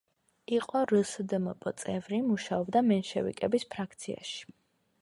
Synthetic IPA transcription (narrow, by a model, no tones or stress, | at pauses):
iqʼɔɾəsd̪mɔpʼɔ̰t̪sʼɛvɾimuʃaɔbd̪amɛnʃɛ̰vḭkʼɛbispʰɾakʰt̪sʰia̰ʃi̥